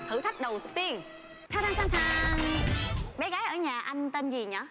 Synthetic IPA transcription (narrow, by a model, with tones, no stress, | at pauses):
t̪ʰɨ̰˧˩t̪ʰa˦˥jk̟̚ɗə˨˩wt̪ɨ˨˩t̪i˧ən | t͡ɕʰaː˧˥t̪a˧t͡ɕʰa˧t͡ɕʰa˧n | ɓe˨˦ɣaː˨˦jʔəː˧˩ɲaː˨˩ʔa˧jŋ̟t̪ə˧nzi˨˩ɲəː˧˨˦